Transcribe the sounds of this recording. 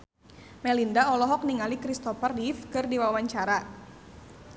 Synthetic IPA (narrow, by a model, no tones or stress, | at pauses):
mɛlindaɔlɔɦɔk̚niŋalikɾist̪ɔfərdifkɨrdiwawaɲt͡ʃaɾa